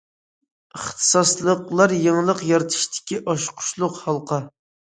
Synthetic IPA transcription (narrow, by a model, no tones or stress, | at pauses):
əχt̪ʰɨ̥sɑslˠəqlˠɑɾjeŋlˠəqjɑɾt̪ʰɨ̥ʃt̪ʰɪ̥kʲiʔɑʃqʰʊ̥ʃlˠʊqhɑlˠqʰɑ